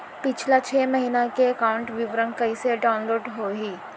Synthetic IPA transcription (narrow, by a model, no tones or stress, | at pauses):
pɪt͡ʃʰlat͡ʃʰeːmɐɦinakeɐkaːʊ̃ɳʈʋɪʋɾə̃ŋkɐiseɖaːʊnloːɖɦoɦiː